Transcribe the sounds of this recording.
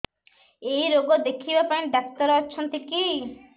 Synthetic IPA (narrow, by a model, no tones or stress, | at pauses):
eiɾoɡɔd̪ekʰibapaĩɖak̚t̪ɔɾɔːt͡ʃʰɔnt̪iki